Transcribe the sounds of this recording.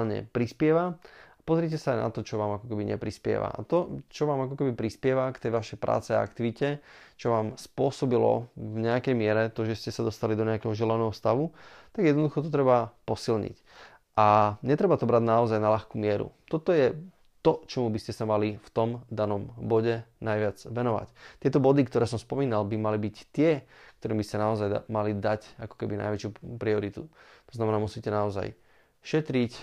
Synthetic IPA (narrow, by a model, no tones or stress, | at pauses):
lɲɛ̰pɾispɪɛʋaapɔzɾɪɛc̬ɛsaajnʔa̰t̪ɔt͡ʃɔʋaːmakɔkɛbiɲɛ̰pɾispɪɛ̰ʋa̰a̰t̪ɔt͡ʃɔʋaːmakɔkɛbipɾispɪɛʋakt̪ɛjʋaʃɛjpɾʔa̰ːt͡sɛa̰a̰kt̪iʋicɛt͡ʃɔʋaːmspʊɔsɔbilɔ̰vɲɛakɛjmɪɛɾɛt̪ɔʒɛscɛsad̪ɔst̪alid̪ɔɲɛakɛɦɔʒɛlanɛɦɔst̪aʋut̪aɡjɛd̪nɔd̪uxɔt̪̬ɔt̪ɾɛbapɔsilɲḭc | ʔaɲɛt̪ɾɛbat̪ɔbɾadnaɔzajnalaxkumɪɛɾṵt̪ɔt̪ɔjɛ | t̪ɔt͡ʃɔmubiscɛsamalift̪ɔmd̪anɔmbɔɟɛnajʋɪad͡zʋɛnɔʋa̰ct̪ɪɛt̪ɔbɔd̪ikt̪ɔɾɛːsɔmspɔmiːnalbimalibict̪ɪɛkt̪ɔɾiːmbiscanaɔzajmalid̪acakɔ̥kɛbina̰jʋɛt͡ʃupɾiɔɾit̪ut̪ɔ̥znamɛnaːmusiːcɛnaɔza̰j | ʃɛt̪ɾic